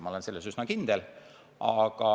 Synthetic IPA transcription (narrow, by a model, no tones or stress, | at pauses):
mɑolense̞lːesysnɑkind̪̥el | ɑɡ̥ɑ